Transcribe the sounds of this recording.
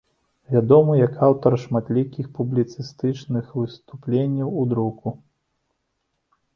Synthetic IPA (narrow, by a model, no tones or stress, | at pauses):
vʲad̪ɔmɨjakʰawt̪ɐrʂmat̪lʲikʲixpublʲit̪sɨst̪ɨt͡ʂnɨxvɨst̪uplʲenʲːɐwud̪ɾuku